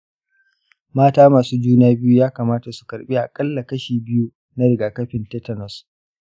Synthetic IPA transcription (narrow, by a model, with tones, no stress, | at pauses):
maː˦taː˦maː˨suː˦d͡ʒuː˦naː˦bɪ˦ju˦jaː˦kaː˨maː˦ta˨su̥˨kɐ˨ɾɓiː˦ʔa˨kʼɐ˦lːa˨kɐ˦ʃiː˨bɪ˦ju˦ | na˦ɽɪ˨ɡaː˨kɐ˦ɸɪ˨ntɛ˦tɐ˨nɔ˨s